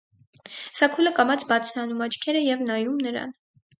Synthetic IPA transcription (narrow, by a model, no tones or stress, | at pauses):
sɑkʰuləkɑmɑt͡sʰbɑt͡sʰnɑnumɑt͡ʃʰkʰɛɾəjɛvnɑjumnəɾɑ̰n